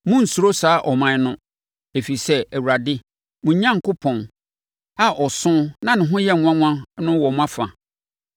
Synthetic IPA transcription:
mʊ̃˦n̩˨su˨ɾo˦saː˨˦ʔɔ˨mã˨˦nʊ̃˦ | e˨fi˨i˨sɛ˦æ˨wu˨ɾa˨dɪ˦ | mʊ̃˨˦ɲã˦ŋ˨kʊ˦pʰɔ̃˨n | a˦ʔɔ˨sʊ̃˦nã˦nɪ̃˨ɦʊ̃˦jɛ˦˨˦ã˦ŋʷ˦ã˦nʊ̃˦wɔ˨mʊ̃˦a˦fã˨

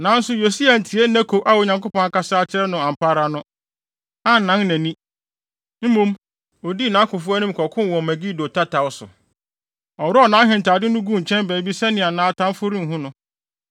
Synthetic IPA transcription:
nã˨˦n̩˦sʊ˦jo˨si˦a˨n̩˨tʰi˨e˦næ̃˦kʰo˨ʔa˦wo˨ɲã˨ŋko˦pɔ̃˦ŋa˨ka˦sa˦t͡ɕʰɪ˦ɾɛ˦nʊ̃˨ã˨m̩˨pʰa˦ɾa˨nʊ̃˦ | a˦n̩˨nã˦nnæ̃˨nĩ˦ | m̩˦mũ˦m | o˨di˦˨nã˨˦kʰʊ˨fʊ˦a˦nʊ̃˦m˦kʰɔ˨kʰʊ̃˦n˨wɔ̃˨mæ̃˨ɡi˦˨do˨tʰa˦tʰa˨wʊ˦sʊ̰˨ | ɔ˨wɾɔ˦ɔ˦˨nã˨˦ɦɪ̃˨n̩˨ta˨dɪ˦nʊ̃˦ɡũ˦˨ɲ̩˨t͡ɕʰɛ̃˦nbæː˨bi˦sɛ˦nɪ̃˨a˨nãː˦tʰã˦fʊ˦ɾĩ˦m̩˨ɦʊ̃˦nʊ̃˦

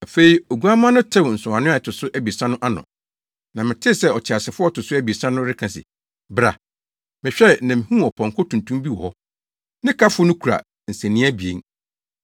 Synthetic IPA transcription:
a˨fe˦i˨o˨ɡu˦a˦mã˦nʊ̃˦tʰɛ̃˦˨n̩˨sʊ̃˨ã˨nʊ̃˦a˨tʊ˨sʊ˦ʔæ˦bi˨sã˦nʊ̃˦ʔa˦nʊ̰̃˨ | nã˨mɪ̃˨tʰɪ˦˨sɛ˦ɔ˨t͡ɕʰɪ˨a˨sɪ˨fʊ˦ɔ˦tʊ˨sʊ˦æ˦bi˨sã˦nʊ̃˦ɾɪ˦kʰã˨sɪ̰˨ | bɾa̰˨ | mɪ̃˨ɕᶣɛ˦nã˨m̩˨hũ˦˨ɔ˨pʰɔ̃˨ŋkʰɔ˦tʰũ˨ntʰũ˦mbi˦wɔ̰˨hɔ˦ | nɪ̃˦kʰa˦fʊ˦nʊ̃˦kʰu˨ɾa̰˨ | n̩˨sæ̃˨nĩ˦æ˦bi˨ḛ˨˦ŋ

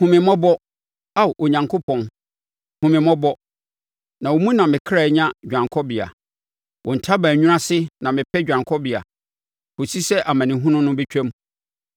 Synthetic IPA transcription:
hũ˨mɪ̃˨mɔ̃˦bɔ˦ | a˦˨ʔo˨ɲã˨ŋkʰo˦pʰɔ̃˨n | hũ˨mɪ̃˨mɔ̃˦bɔ˦ | nã˨wo˨mũ˦nã˨mɪ̃˨kʰɾa˨˦ɲã˦d͡ʑᶣã˨ŋkʰɔ˦bɪ˨a̰˨ | wɔ̃˨n̩˨tʰa˦bæ̃˨ɲᶣũ˦ã˦sɪ˦nã˨mɪ̃˨pʰɛ˦d͡ʑᶣã˨ŋkʰɔ˦bɪ˨a̰˨ | ko˨si˦sɛ˦ʔa˨mã˨nɪ̃˨ɦũ˦nʊ̃˦nʊ̃˦bɛ˦t͡ɕᶣɛ̃˦m

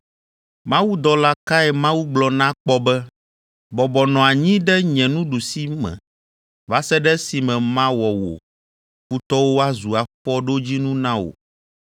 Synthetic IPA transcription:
mã˦wu˦d̪ɔ˨la˦ka˦ɛ˨mã˦wu˦ɡ͡blɔ˨nã˦k͡pɔ˦bɛ˦ | bɔ˨bɔ˨nɔ̃˨a˨ɲĩ˦ɖɛ˦ɲɛ̃˨nũ˦ɖu˨si˦mɛ̰̃˨ | va˦sɛ˦ɖɛ˦si˨mɛ̃˨mã˦wɔ˨wo̰˨ | ɸu˦t̪ɔ˦wo˦a˦zu˨a˨ɸɔ˦ɖo˦d͡ʑi˦nũ˦nã˦wo̰˨

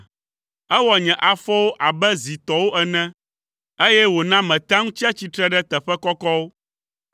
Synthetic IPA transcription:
ɛ˦wɔ˨ɲɛ̃˨ʔa˨fɔ˦wo˦ʔa˨bɛ˦zi˨t̪ɔ˨wo˦ʔɛ˨nɛ̃˦ | e˦jɛ˦wo˨nã˦mɛ̃˨t̪ã˦ŋũ˦t͡ɕi˦a˦t͡ɕi˦t̪ɾɛ˦ɖɛ˦t̪ɛ˨ɸɛ˦kɔ˦kɔ˦wo˦

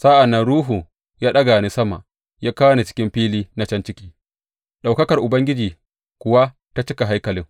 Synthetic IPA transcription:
sa˦ʔa˨nːɐ˦nɾuː˦ɦu˨ | jaː˦ɗɐ˦ɡa˨ni˦sɐ˦ma̰˨ʔ | jaː˦kaː˦wni˨t͡ʃɪ̥˦kʲɪ˦mɸiː˦liː˦na˦t͡ʃɐ˦nt͡ʃɪ˦kʲiː˦ | ɗa˨wkɐ˦kɐ˨rʔʊ˨bɐ˦ŋɡʲɪ˦d͡ʒiː˨ | kʷʊ˨wa˦ | ta˦t͡ʃɪ˦ka˨ɦa˦jkɐ˨lɪ˦ŋ

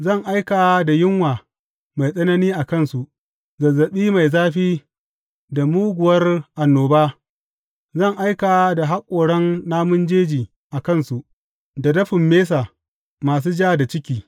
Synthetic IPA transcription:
zɐ˦˨ŋʔa˦jkaː˨da˨jɪ˦ŋwaː˨ | ma˨jsʼɐ˦nɐ˦niː˦ʔa˨kɐ˦˨nsu˨ʔ | zɐ˨zːɐ˨ɓiː˦ma˨jzaː˦ɸiː˦ | da˨muː˦ɡʷʊ˨wɐ˦rʔa˨nːoː˨baː˦ | zɐ˦˨ŋʔa˦jkaː˨da˨ɦa˦kʷʼoː˨ɽɐ˦nːaː˦mʊ˦nd͡ʒeː˦d͡ʒiː˨ | ʔa˨kɐ˦˨nsu˨ʔ | da˨dɐ˦ɸɪ˨mːeː˦s̬aː˨ | maː˨s̬uː˦d͡ʒaː˦da˨t͡ʃɪ˦kʲiː˨

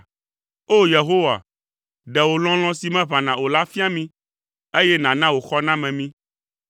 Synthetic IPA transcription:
o˦je˨ɦo˦wa̰˨ | ɖɛ˨wo˨l̃ɔ̃˦l̃ɔ̃˦si˨mɛ̃˦βã˨nã˨wo˨la˦fi˦a˦mĩ˦ | e˦jɛ˦nã˨nã˦wo˨xɔ˦nã˦mɛ̃˨mĩ˦

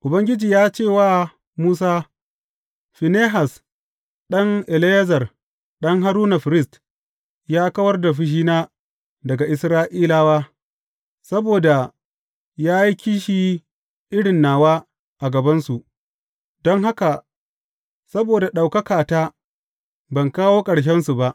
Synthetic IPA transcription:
ʔʊ˨bɐ˦ŋɡʲɪ˦d͡ʒiː˨jaː˦t͡ʃeː˦˨waː˦ | muː˦s̬aː˦ | ɸɪ˨neː˦ɦa˨s | ɗɐ˦ŋʔɛ˨le˦zɐ˨r | ɗɐ˦ŋɦa˦ɾuː˦na˨ɸɪ˨ɾɪ˦st | jaː˦kɐ˦wɐ˦rda˨ɸ̬ɪ˦˨ʃiː˦naː˦ | dɐ˨ɡa˨ʔɪ˨sɾaː˦ʔiː˦laː˦waː˦ | sɐ˦boː˨da˨ | jaː˦ji˦kʲiː˦ʃi˨ | ʔɪ˦ɽɪ˨nːaː˨waː˦ | ʔa˨ɡɐ˨bɐ˦nsu˨ʔ | dɔ˦ŋɦa˦ka˨ | sɐ˦boː˨da˨ɗa˨wkɐ˦kaː˨taː˦ | bɐ˨ŋkaː˦woː˦kʼɐ˨ɽʃ̬ɛ˦nsu˨ba˦ʔ

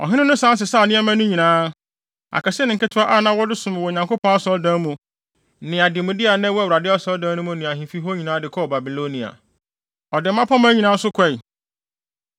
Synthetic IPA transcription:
ɔ̰˨ɦɪ̃˦ɪ̃˦nʊ̃˦sã˦n˦s̬ɪ˨sa˦˨nɪ̃˦ɛ˦mã˦nʊ̃˦ɲĩ˨nãː˦ | a̰˨kʰɛ˨sɛ˦nɪ̃˨ŋ˨kɪ˦tʰʊ˨˦a˦ʔa˦nã˨˦wɔ˦dɪ˦sʊ̃˨m̃˨wɔ˨ɲã˨ŋko˦pʰɔ̃˦a˦sɔ˦dã˦mũ˨ | nɪ̃˨a˨dɪ˨mʊ̃˨di˦a˨nɛ̃˦wɔ˦˨wɾa˨dɪ˦a˦sɔ˦ldã˦nʊ̃˦mũ˦nɪ̃˨a˨ɦĩ˨fi˦ɦɔ˦ɲĩ˨nãː˦dɪ˨kʰɔ˦˨ba˨bi˨lo˦nĩ˨a̰˨ | ɔ˨dɪ˨m̩˦ã˦pʰã˦m̃˦æ˦ɲĩ˨nãː˦sʊ˦kʷʰɛ˦˨i˨

